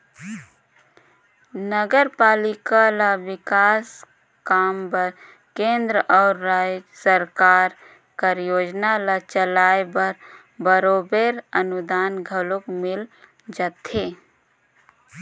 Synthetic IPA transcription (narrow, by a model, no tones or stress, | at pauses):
nəɡəɾpaːlɪkalawɪkaːs | kaːmbəɾ | kẽːnd̪ɾəʔɔːɾasəɾkaːɾ | kəɾjoːd͡ʒnalat͡ʃəlaːebəɾ | bəɾoːbeɾənʊd̪aːnɡʱəlokmɪl | d͡ʒat̪eː